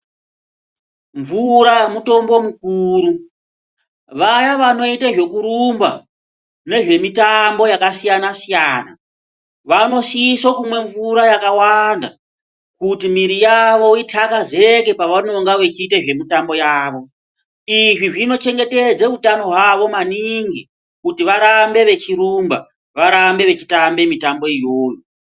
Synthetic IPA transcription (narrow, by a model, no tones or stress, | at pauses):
ɱvuɾamuto̞mbo̞mukuːɾu | ʋajaʋano̞itaʐe̞kuɾumba̰ | ne̞ʐe̞mitambo̞jakasijanasijaːna̰ | ʋano̞siisokumwe̞ɱvuɾajakawanda | kutimiɾijaʋo̞itʰakazeke̞paʋano̞ŋɡaʋet͡ʃiteʐe̞mitambo̞jaːʋo̞ | iʐiʐino̞t͡ʃe̞ŋɡe̞te̞d͡zeutano̞ɦwaʋo̞maniŋɡi | kutiʋaɾambe̞ʋe̞t͡ʃiɾumba̰ | ʋaɾambe̞ʋe̞t͡ʃi̥tambe̞mitambo̞ijoːjo